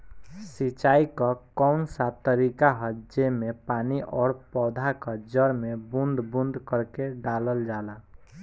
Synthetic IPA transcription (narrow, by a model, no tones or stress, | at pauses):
sit͡ʃaikəkɔʊnsat̪əɾikaɦəd͡ʒemepaniʔɔːɾpɔːd̪ʱakəd͡ʒəɾmebund̪bund̪kəɾkeɖaləld͡ʒala